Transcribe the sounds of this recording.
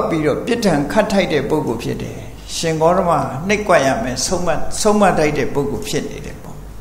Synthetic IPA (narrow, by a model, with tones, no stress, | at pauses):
pːi˦ɾɔ˦˨pjɪ˦tʰã˨ŋkʰa˦tʰːa˦ɪtːɛ̰˦˨po˦ʊko˨pʰjɪ̰˦tːɛ̰˨ | ʃɪ̃˨ŋɡɔ˦ɾə˦ma̰˦˨n̥e˦ɪkwa˦ʔja̰˦˨mɛ̰˦˨msõ˦ʊ̃ma˦˨tda˦ɪtːɛ̰˦˨po˦ʊko˨pʰjɪ˦ʔnḛ˨ɾɛ̰˨pɔ̰˦˨